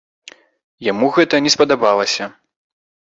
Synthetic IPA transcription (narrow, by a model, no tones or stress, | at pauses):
jamuɣɛt̪ɐnʲɛspɐd̪abalˠɐsʲɐ